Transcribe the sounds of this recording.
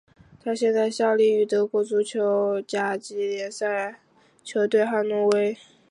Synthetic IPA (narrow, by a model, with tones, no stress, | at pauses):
t̪ʰa˥ɕjɛ˥˧nt͡sa˥˧ɪɕjɑ˥˧ʊli˥˩y˨˩t̪ɤ˧˥kwɔ˧˥t͡su˥t͡ɕʰjo˧˥ʊt͡ɕja˨˩t͡ɕi˧˥ljɛ˧˥nsa˥˩ɪ | t͡ɕʰjo˧˥ʊt̪we˥˧ɪxa˥˧nu˥˩we˥ɪ